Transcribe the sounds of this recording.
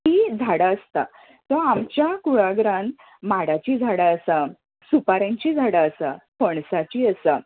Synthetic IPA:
ɦiːd͡zʱaɽaəst̪a̰ | t̪ɔamt͡ɕjakuɭaɡɾãn | maɽat͡ɕiːd͡zʱaɽəəsa | supaɾãɲt͡ɕiːd͡zʱaɽəəsapəɳsat͡ɕiːəsa

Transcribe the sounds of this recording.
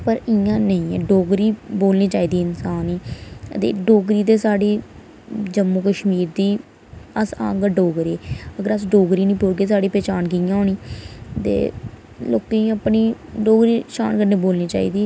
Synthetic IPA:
pəɾɪãːnəĩːɛ̰ːɖoːɡɾiːboːlniːt͡ʃaːiːd̪iːɪnsaːniːt̪ḛːɖoːɡɾiːt̪eːsaːɖiː | d͡ʒəmːuːkəʃmiːɾd̪iː | əsã̰ːŋɡəɖoːɡɾeːəɡəɾəsɖoːɡɾiːnĩːpoːɾɡeːsaːɖiːpɛːt͡ʃaːnkɪjãːoːniːt̪ḛː | lo̰ːk̪eːniəpniːɖoːɡɾiːʃa̰ːnkəɾneːboːlniːt͡ʃa̰ːḭːd̪iː

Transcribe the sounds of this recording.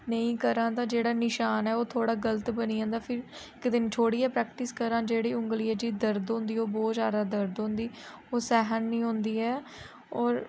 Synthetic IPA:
nəĩːkəɾãːt̪ãːd͡ʒeːɽaːnɪʃaːnɛːoːt̪ʰoːɽaːɡələt̪bəniːãːnd̪aːpʰɪɾ | ɪkd̪ɪnt͡ʃʰoːɽiːɛːpɾɛːkʈɪskəɾãːd͡ʒeːɽiːʊ̃ŋɡliːɛːd͡ʒiːd̪əɾd̪ɦõːnd̪iːoːbɔːt̪saːɾaːd̪əɾd̪ɦõːnd̪iː | oːsɛːɦənːĩːɦõːnd̪iːɛː | ɔːɾ

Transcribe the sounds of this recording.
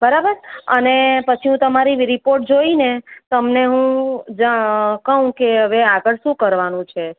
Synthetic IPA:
bəɾabəɾənepət͡ʃʰiɦũt̪əmaɾiɾipoɾʈ̚d͡ʒoinet̪əmneɦũd͡ʒakəɦũkeɦəʋeaɡəɭʃũkəɾʋanũt͡ʃʰe

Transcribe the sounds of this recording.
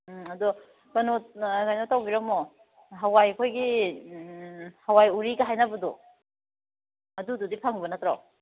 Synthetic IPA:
ɐdɔ | kɐnokajnotawbiɾɔmɔ | ɦawajɐkʰojɡi | hawajuɾiɡaɦajnabɐdu | ɐdududipʰaŋbɐnɐtɾaw

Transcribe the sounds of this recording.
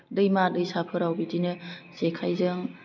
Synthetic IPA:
dɯjmadɯjsapʰɯɾawbidinɯsekʰajzɯŋ

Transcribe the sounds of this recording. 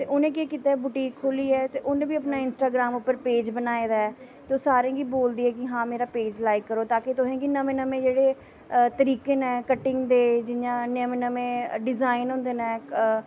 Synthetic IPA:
t̪eːʔʊnẽːkeːkit̪aːbuʈiːkʰːoːliːɛːt̪eːʔʊnẽːbiːəpnaːɪnsʈaːɡɾaːmʊpːəɾpeːd͡ʒbənaːeːd̪aːɛt̪eoːsaːɾẽːɡiboːld̪iːɛːkɪɦãːmeːɾaːpeːd͡ʒlaːɪkːəɾoːt̪aːket̪ʊɦẽːkinəmẽːnəmẽːd͡ʒeːɽeː | t̪əɾiːkeːnɛ̃ːkəʈːɪ̃ŋɡd̪eːd͡ʒɪjãːnəmẽnəmẽːɖɪzaːɪnɦʊ̃ːnd̪eːnɛː

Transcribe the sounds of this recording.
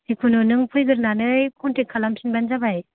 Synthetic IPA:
tikʰunɯnɯŋpʰɯjɡɯɾnanɯjkʰɔntʰekʰːalamsʰinbanzabaj

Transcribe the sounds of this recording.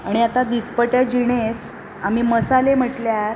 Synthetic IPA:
aɽ̃iat̪ad̪ispəʈjad͡ʑiɳ̃eɾ | am̤iməsalem̤əʈljaɾ

